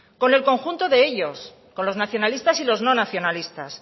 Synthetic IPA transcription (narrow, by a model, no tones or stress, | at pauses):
ko̞ne̞lko̞ŋxunt̪o̞ðe̞eʎo̞s | ko̞nlo̞znaθjo̞nalist̪asilo̞zno̞naθjo̞nalist̪as